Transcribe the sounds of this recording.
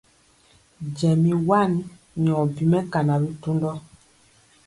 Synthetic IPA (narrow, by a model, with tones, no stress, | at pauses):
d͡ʒɛ˨mi˨wa˦˨n | mi˨ɔ˨bi˨mɛ˦ka˨na˨bi˦tu˦ndɔ˦